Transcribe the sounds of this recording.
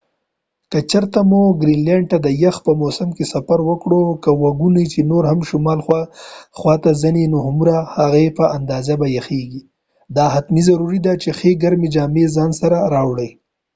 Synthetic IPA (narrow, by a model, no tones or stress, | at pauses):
kat͡ʃəɾt̪amuɡɾinleɳɖ̚t̪ad̪əjaxpəmosɪmkesafaɾwəkɽokawaɡunit͡ʃenoɾhamʃʊmɑlxwaxwɑt̪azənenohmuɾahaɣepəʔand̪ɑzabajaxeɡi | d̪ɑɦat̪mizaɾuɾid̪at͡ʃexeɡaɾmid͡ʒɑːmezɑnsaɾaɾɑwɽəj